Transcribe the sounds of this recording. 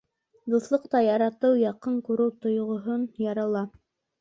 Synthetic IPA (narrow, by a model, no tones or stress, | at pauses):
d̪ɤ̆θlˠɤq̚t̪ɑjɑɾɑt̪ɤwjɑqɤɴkuɾɤwt̪ŏjʁŏɦonjɑɾɑlˠɑ